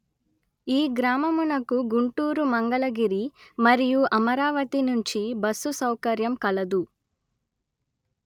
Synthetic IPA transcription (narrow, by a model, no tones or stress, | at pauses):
iːɡɾaːmɐmunɐkuɡuɳʈuːɾumɐŋɡɐɭɐɡiɾimɐɾijuʔɐmɐɾaːʋɐt̪inuɲt͡ʃibɐsːusɐwkɐɾjɐmkɐɭɐd̪u